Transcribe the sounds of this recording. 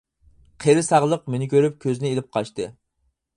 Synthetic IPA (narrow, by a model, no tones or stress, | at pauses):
qʰeɾɪsɑʁlˠəqmenɪkʲʰøɾyp̚kʲʰøzɪnɪelɪp̚qʰɑʃt̪ɨ